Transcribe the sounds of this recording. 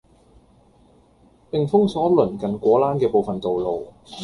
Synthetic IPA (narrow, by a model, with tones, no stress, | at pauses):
pɪ˨ŋfʊ˥ŋsɔː˨˥lɵ˨˩nkɐ˨nkʷɔː˨˥laː˥nkɛː˧po˨wfɐ˨nt̪o˨wlo˨w